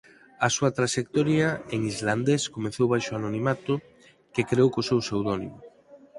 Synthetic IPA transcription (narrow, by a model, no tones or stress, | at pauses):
ɐsuɐt̪ɾaʃek̚t̪ɔɾjaeŋizland̪eskomeθowβajʃoanonimat̪ʊ | kekɾeowkosewsewðɔnḭmʊ